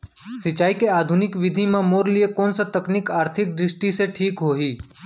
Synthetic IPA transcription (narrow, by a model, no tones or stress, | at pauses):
sɪt͡ʃaːikeaːd̪ʱʊnɪkʋɪd̪ʱimãmoːɾlɪekɔːnsɐt̪əknɪkaːɾt̪ʰɪk̚d̪ɾɪsʈiseʈʰiːkɦoːɦiː